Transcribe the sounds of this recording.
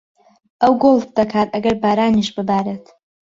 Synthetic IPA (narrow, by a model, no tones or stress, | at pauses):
awɡolfdakʰaːraɡarbaɾaniʃbɨbaɾetʰ